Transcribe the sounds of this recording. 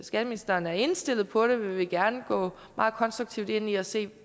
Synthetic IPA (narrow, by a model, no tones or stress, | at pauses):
sɡ̥ɛd̥əminisd̥ɐːnæɐe̝nsd̥e̝l̰ð̩ˠpʰɒ̽ɾ̥e̝ʋiʋe̝ɡ̥æɐnəɡ̥ɔ̰̽ːmmɑ̈ːð̩ˠkʰɒ̽nsd̥ʁuɡ̥̚t͡sʰiʊd̥e̝n̰iɒse̝̰ː